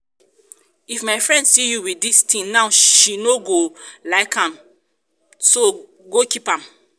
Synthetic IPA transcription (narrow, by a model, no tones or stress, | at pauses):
ifmaɪfɹɛ̃ndsijuwiistʰĩŋnaʊʃinoɡolaɪkʰãm | so | ɡokipãm